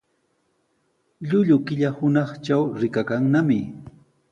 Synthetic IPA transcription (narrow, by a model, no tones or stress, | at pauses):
ʎʊʎʊkɪʎahʊnɑχt͡ʃawɾɪkakaŋnamɪ